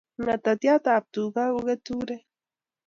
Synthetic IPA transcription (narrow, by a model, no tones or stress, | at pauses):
ŋat̪at̪jat̪aːp̚t̪uɡauɣet̪uɾe